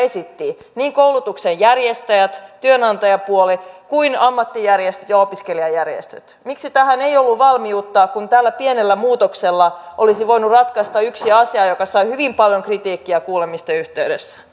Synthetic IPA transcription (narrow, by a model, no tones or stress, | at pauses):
esit̪ːi | niːŋkoulut̪uksejjærjest̪æjæt̪t̪yønɑnt̪ɑjɑpuolikuinɑmːɑt̪ːijærjest̪ø̥t̪jɑopiskeliɑjærjḛst̪øt̪miksit̪æhæneijolːuʋʋɑlmiut̪ːɑːkunt̪æːlːæpienelːæmuːt̪okselːɑʔolisiʋoinurɑt̪kɑst̪ɑyksiɑsiɑjokɑsɑihyʋimpɑljoŋkrit̪iːkːiækuːlemist̪eyht̪eydesːæ̥